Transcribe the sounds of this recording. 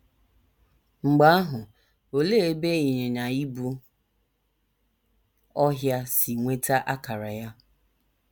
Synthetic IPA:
ŋ͡m̩˨ɡ͡ba˨˦a˦ɦʊ˨ | o˨le˦e˦be˦i˨ɲe˨na˨i˦bu˦ | ɔ˦ɦja˦si˨ŋʷe˦ta˦ʔa˦ka˨ɾa˨ja˦

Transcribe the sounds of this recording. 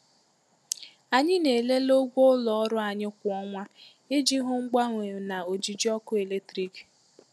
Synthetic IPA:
a˨ɲɪ˦ne˨le˦lo˦ɡʷo˦ʊ˦lɔ˨ɔ˦ɾʊ˦a˨ɲɪ˦kʷʊ˨ɔ˦ŋʷa˦ | e˦d͡ʒi˦ɦʊ˦ŋ̩˦ɡ͡ba˦ŋʷe˨na˨o˨d͡ʒi˨d͡ʒi˦ɔ˦kʊ˦e˨le˦tɾi˦k

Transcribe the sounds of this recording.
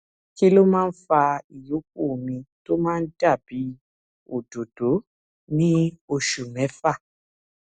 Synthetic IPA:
ki˦lo˦mãː˦n̩˦fa˧i˨jo˨˦k̚u˦˨o˨mĩ˧to˦mãː˦˧n̩˦da˦˨b̥i˨˦ | o˨do˨do˨˦ | nĩ˦o˧ʃu˨mɛ̃˨˦fa˦˨

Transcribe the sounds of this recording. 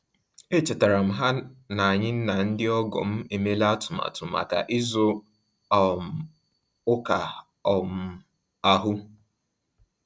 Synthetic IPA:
e˦t͡ʃe˨ta˨ɾa˨m̩˨ɦa˦na˨a˨ɲɪ˦n̩˦na˨n̩˦dɪ˦ɔ˦ɡɔ̰˨m̩˦e˨me˦le˦a˦tʊ˨ma̰˨tʊ˨ma̰˨ka̰˨ʔɪ˦zʊ˦˨ | m˨ | ʊ˦ka˨ | ɔ˨m̩˦ | a˦ɦʊ˦

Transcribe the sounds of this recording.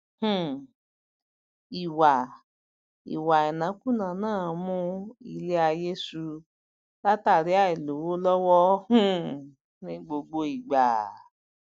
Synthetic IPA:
hũ˨ | i˨wa˨ | ḭ˨wa˨ɛ˨nã˨˦kũ˦˨nã˨˦nãː˦˨˦mũ˦i˧le˦a˧je˦su˧ | la˦ta˦˨ɾi˨˦a˦˨i˨lo˨˦wo˦lɔ˦wɔ˦hũ˦ | nĩ˦ɡ͡bo˧ɡ͡bo˧i˨ɡ͡ba˨

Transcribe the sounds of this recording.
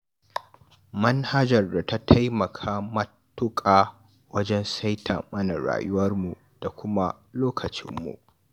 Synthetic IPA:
mɐ˦nha˦d͡ʒɐ˨rda˨ta˦tʰa˦jmɐ˨kʰaː˦mɐ˦ | tːʊ˦kʼaː˨ | wɐ˦d͡ʒɛ˦nsa˦jtʰa̰˨mɐ˦na˨ɾa̰ː˨jʊ˦wɐ˦rmu˨ | d̥a˨kʷʰʊ˦ma˦ | loː˦kʰɐ˨t͡ʃɪ˦mːṵ˨ʔ

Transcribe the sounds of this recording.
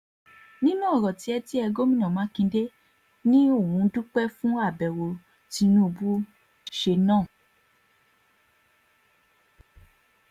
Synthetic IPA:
nĩ˦nũ˦ɔ˦˨ɾɔ˨ti˨˦ɛ˧ti˦ɛ˧ɡo˦mĩ˦˨ã˨mã˨˦kĩ˧de˦ | nĩ˦o˦˨wũ˨˦du˦k͡pɛ˦fũ˦a˦˨bɛ˨wo˧ | ti˧˦nũ˦o˧bu˦ | ʃe˧nãː˦˨

